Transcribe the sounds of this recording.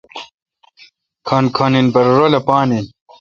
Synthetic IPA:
kʰɐnkʰɐninbɐɾɾolɐpaːnin

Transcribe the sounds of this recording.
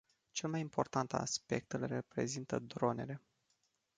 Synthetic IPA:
t͡ʃe̞lmajimpʰo̞rt̪ant̪a̰spe̞k̚t̪ɨlrepɾe̞̰zint̪əd̪ɾo̞ne̞̰le̞

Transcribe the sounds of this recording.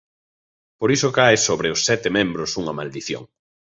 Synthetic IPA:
poɾisokajsoβɾɪʊsːɛt̪ɪmẽmbɾʊsuŋɐmald̪iθjo̰ŋ

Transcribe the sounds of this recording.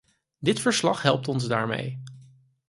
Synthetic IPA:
dɪtfəɹslɑχɦɛlˠp̚tɔnzda̰ːɹmḛj

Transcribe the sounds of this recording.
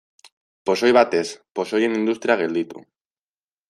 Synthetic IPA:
posojβ̞at̪esposojenĩnd̪ust̪ɾjaɣeld̪it̪ṵ

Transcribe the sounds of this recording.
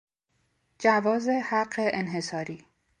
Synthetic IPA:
d͡ʒævɒːzehæɢːeʔenɦe̞sɒːɾiː

